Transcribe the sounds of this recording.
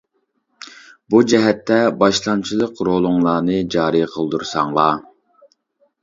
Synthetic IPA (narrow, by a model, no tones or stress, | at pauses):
bud͡ʒɛɦɛt̪ʰːɛbɑʃlˠɑnt͡ʃʰilˠəqɾolˠʊŋlˠɑːnɨd͡ʒɑːɾijqʰəlˠd̪uɾsɑŋlˠɑ